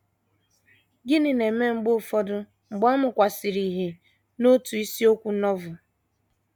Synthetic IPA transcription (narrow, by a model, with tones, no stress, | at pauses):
ɡɪ˦nɪ˨ne˨me˦ŋ͡m̩˦ɡ͡bo˦˨fɔ˦dʊ˦ | ŋ͡m̩˨ɡ͡ba˦mʊ˨kʷa˨si˨ɾi˨ɦe˨ | no˦tu˨i˦si˦o˦kʷu˦nɔ˦vʊ˨